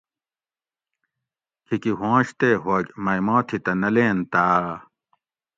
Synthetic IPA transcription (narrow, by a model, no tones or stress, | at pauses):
kʰikiɦõːɕt̪eːɦɐɡmɐjmãːt̪ʰit̪ɐnɐleːnt̪aː